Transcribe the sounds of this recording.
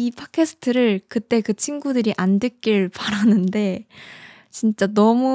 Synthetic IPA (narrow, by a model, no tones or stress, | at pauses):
ipʰakʰesʰɯ̥tʰɯɾɯɭkɯt͈e̞kɯt͡ɕʰinɡudɯɾiʔandɯk͈iɭpaɾanɯnde̞ | t͡ɕint͡ɕ͈anʌmu